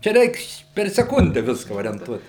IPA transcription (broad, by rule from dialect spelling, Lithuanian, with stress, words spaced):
t͡ʃʲɛ ˈrʲɛɪks pʲɛr sʲɛˈkʊnʲdʲɛ ˈʋʲɪskɐ oːrʲiɛnˈtuɔt